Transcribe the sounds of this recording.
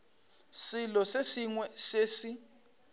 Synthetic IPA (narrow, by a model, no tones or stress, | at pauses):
silɔsesiŋwɛsesi